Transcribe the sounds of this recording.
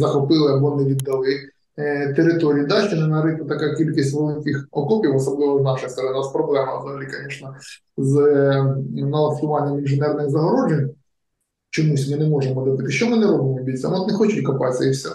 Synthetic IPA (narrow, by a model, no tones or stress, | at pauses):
zɐxɔpɪlˠɪɐbɔnɛʋʲid̪ːɐlˠɪ | t̪eɾɪt̪oɾʲijid̪aʃt͡ʃɔnɛnɐɾɪk̪ɐt̪ɐkakʲilʲkʲisʲtʲʋelˠɪkʲɪxɔkɔpʲiwɔsɔblˠɪʋɔznɑʃɔjst̪ɔɾɐnɪnaspɾɔblˠɛmɐ̰zɐɦɐlʲikɐnʲɛʃnɐ | z | nɐlˠɐst̪ʊʋɑnʲːɐmɪnʒɪnɛrnɪɣzɐɦɔɾɔʐenʲ | t͡ʃɔmusʲmɪnɛmɔʐemɔd̪ɪbɪt̪ɪʃt͡ʃɔmɪnɛɾɔbnɪmʲibʲisʲɐnɔt̪nɛxɔt͡ʃɪtʲkɐpɑsʲɐiwsʲɛ̰